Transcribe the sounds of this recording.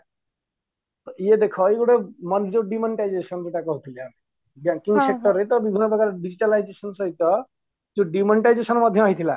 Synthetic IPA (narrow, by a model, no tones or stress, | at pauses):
t̪ɔied̪ekʰɔeɡoɽemɔnd͡ʒoɖimɔɳʈajd͡ʒesɔnd͡ʒeʈakɔɦot̪ʰileame | baŋkiŋsek̚ʈɔɾet̪ɔbibʱinːɔpɔkaɾɖid͡ʑiʈalajd͡ʒesɔnsɔɦit̪ɔ | d͡ʒuɖimɔɳʈajd͡ʒesɔnɔmɔd̪ʱjɔmaɦit̪ʰila̰